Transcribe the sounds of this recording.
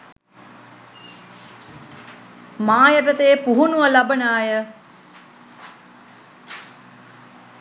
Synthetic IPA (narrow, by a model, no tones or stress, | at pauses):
maːjəʈət̪eːpuɦunuʋɐlabənaːjə